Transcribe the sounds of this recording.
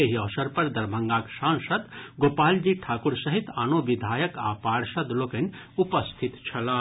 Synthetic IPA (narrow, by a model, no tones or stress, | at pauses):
eɦiɔːsɐɾpɐɾd̪ɐɾbʱɐŋɡaːkʃãːnʃɐd̪ɡoːpaːld͡ʒiʈʰaːkuɾsɐɦit̪anoːʋid̪ʱaːjɐka̰ːpaːɽʃɐd̪lokɐnʲ | upɐst̪ʰit̪t͡ʃʰɐlaː